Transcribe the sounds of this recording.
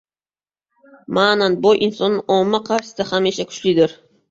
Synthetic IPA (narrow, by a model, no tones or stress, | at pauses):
mananbɒjʔɪnsɒnːɪʔɒmːaqʰɑɾʃɪ̥d̪ahameʃakʰʊ̥t͡ʃlɪd̪ɪɾ